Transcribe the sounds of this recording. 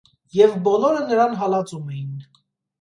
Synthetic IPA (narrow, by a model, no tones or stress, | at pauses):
jɛvbɔlɔɾənəɾɑnɦɑlɑt͡sumɛjin